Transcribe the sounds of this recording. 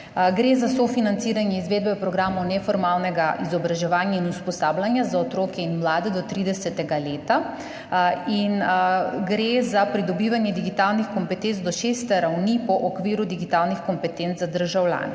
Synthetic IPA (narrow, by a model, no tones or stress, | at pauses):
ɡɾezasɔfinant̪siːɾanjɛizʋeːd̪bɛpɾɔɡɾaːmɔwnɛfɔɾmaːlnɛɡaʔizɔbɾaʒɛʋaːnjainuspɔsaːblanjazaɔt̪ɾoːkɛinmlaːd̪ɛd̪ɔt̪ɾiːd̪ɛsɛt̪ɛɡaleːt̪a | inɡɾezapɾid̪ɔbiːʋanjɛd̪iɡit̪aːlnixkɔmpɛt̪ent̪zd̪ɔʃeːst̪ɛɾawnipɔʔɔkʋiːɾud̪iɡit̪aːlnixkɔmpɛt̪enzad̪əɾʒawlʲja̰ːnɛ